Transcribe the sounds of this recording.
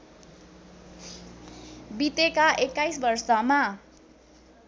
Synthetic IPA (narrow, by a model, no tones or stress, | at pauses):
bit̪ekaʔekːajsbʌrsʌma